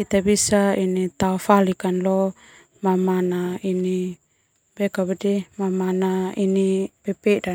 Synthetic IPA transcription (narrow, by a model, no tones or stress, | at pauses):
it̪abisainit̪aɔfalikanlɔ | mamanaini | bɛkabadimamanainipɛpɛda